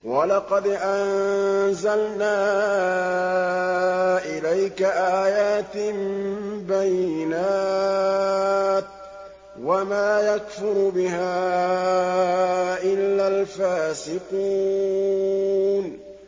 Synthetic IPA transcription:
walɑqɑd̪ʔanzalnaː | ʔɪlajkaʔaːjaːt̪ɪmbajːɪnaː | t̪̚ | wamaːjakfʊɾbɪɦaː | ʔɪlːaːlfaːsɪquː | n

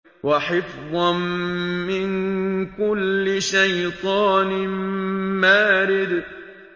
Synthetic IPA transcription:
waħɪfðˤɑnmɪnkʊlːɪʃajt̪ˤɑːnɪ | maːɾɪd̪

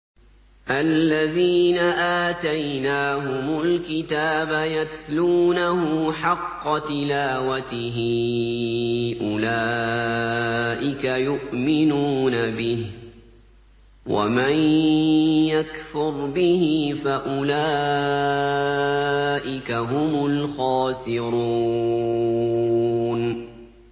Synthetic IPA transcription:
ʔalːaðiːnaʔaːt̪ajnaːɦʊmʊlkɪt̪aːbajaθluːnahʊmħɑqːɑt̪ɪlaːwat̪ɪɦɪ | ʔʊlaː | ʔɪkajʊʔmɪnuːnabɪh | wa̰man | jakfʊɾbɪhɪfaʔʊlaː | ʔɪkaɦʊmʊlxɑːsɪɾuː | n

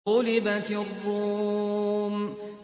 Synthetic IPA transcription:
olĩbãtĩoɡo

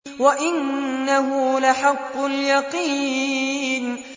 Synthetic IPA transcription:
waʔɪnːaɦʊlaħɑqːʊljɑqi | n

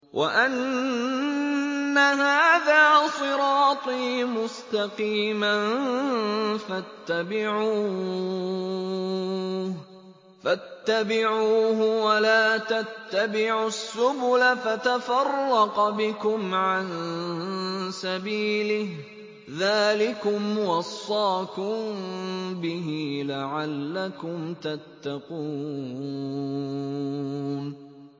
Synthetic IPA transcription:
wʔa̰ʔan | aɦaːðaːsˤɨɾɑːt̪ˤiːmʊst̪ɑqiːman | fat̪ːabɪʕuː | fat̪ːabɪʕuːɦʊwalaːt̪at̪ːabɪʕʊsːʊbʊlafat̪afɑrˤːɑqbɪkʊmʕan | sabiːlɪh | ðaːlɪkʊmwɑsˤːɑːkʊmbɪɦiːlaʕalːakʊmt̪at̪ːɑquː | n

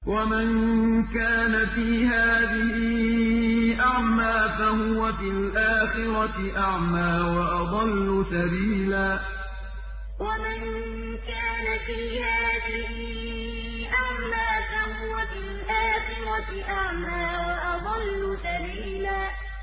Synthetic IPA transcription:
wʔamankaːnafiːhaːðɪhɪ | ʔaʕmaːfaɦʊwafilʔaːxɪɾaɪʔaʕmaːwɑʔɑd̪ˤɑlːʊsabiːlaː | wamɪn | kaːnafiːhaːðɪhɪ | ʔaʕmaːfahʊwafilʔaːxɪɾaɪʔaʕmaːwɑʔɑd̪ˤɑlːʊsabiːlaː

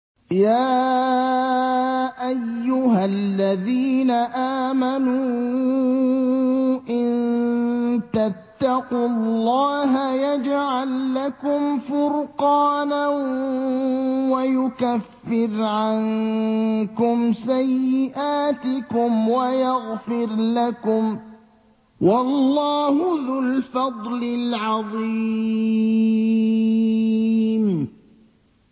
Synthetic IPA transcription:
jaː | ʔajːʊɦalːaðiːnaʔaːmanuː | ʔɪnn | t̪at̪ːɑqʊlːɑːɦajad͡ʒʕalːakʊmfʊɾqɑːna | wajʊkafːɪɾʕan | kʊmsajːɪʔaːt̪ɪkʊmwajaɣfɪɾlakʊm | wɑllːɑːhʊðʊlfɑd̪ˤlɪlʕɑðˤi | m

